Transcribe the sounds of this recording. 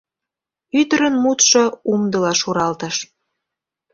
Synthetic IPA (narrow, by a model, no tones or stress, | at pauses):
yt̪əɾənmut̪ʃoumd̪əlɑʃuɾɑlt̪əʃ